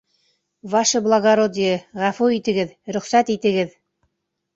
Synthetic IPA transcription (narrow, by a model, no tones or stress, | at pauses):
vɑʃɤblˠaɡaɾod̪ʲɪjəʁæfuit̪ɘ̆ɡɘðɾɵ̆χsæt̪it̪ɘ̆ɡɘð